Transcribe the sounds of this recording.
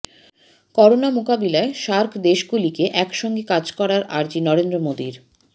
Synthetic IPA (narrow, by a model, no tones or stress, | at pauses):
kɔɾonamokabilaeʃaɾkʰd̪eʃɡulikeʔɛkʃɔŋɡekad͡ʑkɔɾaɾʔa̰ɾd͡ʑinɔɾend̪ɾomod̪iɾ